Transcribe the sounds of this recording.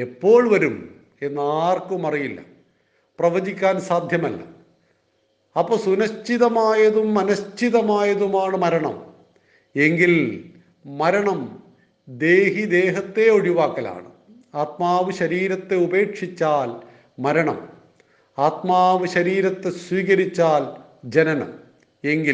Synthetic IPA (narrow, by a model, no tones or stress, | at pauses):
e̞pːo̞ːɭʋɐɾum | e̞nːɨaːrkumɐrijilːɐ̰ | prɐʋɐd͡ʑikʲːaːnsaːd̪ʱjɐmɐlːɐ̰ | ɐpːoːsunɐst͡ɕiðɐmaːjɐðumːɐnɐst͡ɕiðɐmaːjɐðumaːɳɨmɐɾɐɳɐ̰m | e̞ŋɡil | mɐɾɐɳɐm | d̪eːɦid̪e̞ːɦɐt̪ːe̞oɽiʋaːkːɐla̰ːɳɨ | aːt̪̚maːʋɨɕɐɾiːɾɐt̪ːe̞ube̞ːkʂit͡ɕːaːl | mɐɾɐɳɐ̰m | aːt̪maːʋɨɕɐɾiːɾɐt̪ːe̞swiːkɐɾit͡ɕːaːld͡ʑɐnɐnɐ̰m | eŋɡil